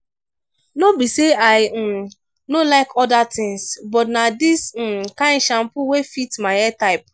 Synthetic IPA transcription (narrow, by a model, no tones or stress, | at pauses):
nobiseaɪ | nolaɪkɔdatɪ̃ŋsbɔtnadis̩kãnʃam̩pʊwefitmaɪɛtaɪp̚